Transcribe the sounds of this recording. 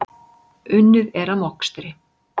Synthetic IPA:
ʏnːʏðɛɾamɔkst̪ɾɪ

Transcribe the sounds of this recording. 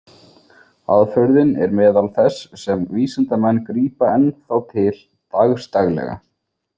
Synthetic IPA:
a̰ðfœɾðɪnɛ̰ɾmɛːðalθɛsːɛmviːsɪnt̪amɛnːkɾiːpaɛnθawt̪ʰɪl | t̪aɣst̪aɣlɛ̰ɣa̰

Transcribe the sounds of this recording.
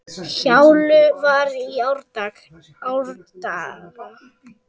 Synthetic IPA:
çawlʏvaɾiawɾt̪ak | awɾt̪aɣa

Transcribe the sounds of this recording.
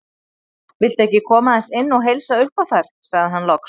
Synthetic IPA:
vɪl̥t̪ɛhcɪkʰɔːmaðɛnsɪnːɔɣɦejlsaʏhpawθaɾ̥saɣðɪɦanːlɔks

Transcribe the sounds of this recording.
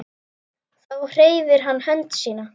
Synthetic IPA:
θawr̥eːjvɪɾ̥ɦanːhɛnt̪siːna

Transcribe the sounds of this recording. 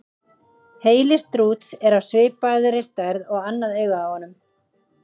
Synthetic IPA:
heːjlɪst̪ɾuːt̪sɛɾawsvɪːpaðʏɾɪst̪ajɾðɔɣanːaðœːɥɣaawhɔnːʏm

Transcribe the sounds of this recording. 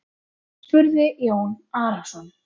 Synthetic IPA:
fʏɾðɪʔjoːwnaːɾasɔn

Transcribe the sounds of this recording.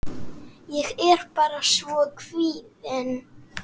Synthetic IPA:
jɛɣɛɾ̥paːɾasvɔkviːðɪn

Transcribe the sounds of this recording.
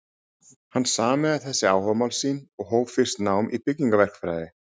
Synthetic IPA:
hanːsaːmɛðaθɛsːɪaːwhœvmawlsiːnɔɣɦoːwvfɪr̥st̪naːwmʔḭpɪcːiŋkavɛr̥kfɾajðɪ

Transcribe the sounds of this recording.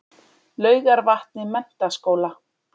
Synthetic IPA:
lœːɥɣaɾvaht̪̚nɪmɛn̥t̪askoːwla

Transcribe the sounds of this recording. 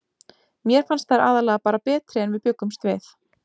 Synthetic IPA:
mjɛɾ̥fanst̪θaɾʔa̰ːðalɛːɣapaːɾapɛːt̪ɾɪɛnvɪðpjʏkːʏmst̪vɪθ

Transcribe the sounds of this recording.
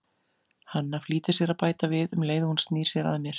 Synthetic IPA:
hanːafliːt̪ɪ̥sjɛɾaðpaːjt̪avɪðʏmleːjðʏhunst̪niːɾ̥sjɛɾa̰ðamjɛɾ̥

